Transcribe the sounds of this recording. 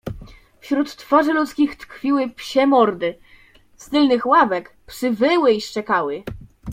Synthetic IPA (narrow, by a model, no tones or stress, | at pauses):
fɕɾut̪ːfaʐɘlut̪skʲixt̪kfʲiwɘpɕɛmɔɾd̪ɘ | st̪ɘlnɘxwavɛkpʂɘvɘwɘiʂt͡ʂɛkawɘ